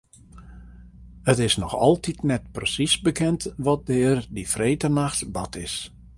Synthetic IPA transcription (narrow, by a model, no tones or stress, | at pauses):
ətɪsnɔxɔ̰lˠtitnɛt̚prəsisbəkɛntʋɔt̚dɪːrdifreːtənaxtbatɪs